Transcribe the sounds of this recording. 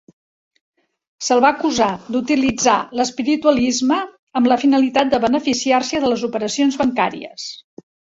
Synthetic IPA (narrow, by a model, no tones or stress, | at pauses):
səlˠβakuzad̪ut̪ilid͡zaləspiɾit̪uəlizməː | mləfinəlit̪at̪̚d̪əβənəfisiarsəðələzupəɾəsionzβəŋkaɾḭə̰s